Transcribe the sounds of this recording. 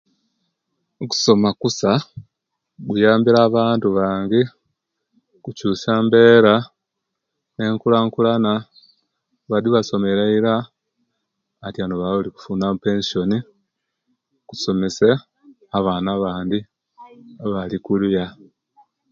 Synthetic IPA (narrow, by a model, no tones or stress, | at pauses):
oku̥so̞makusa | ɡujaːmbiɾaːβaːntuβaːŋɡe | kucuːsaːmbe̞ːɾa | ne̞ŋkulaŋkulana | βadiβaso̞me̞ɾaiɾa | tjanoβauliku̥fuːnamupe̞ːnsio̞ni | ku̥so̞me̞se | aβaːnaβaːndi | βalikuluja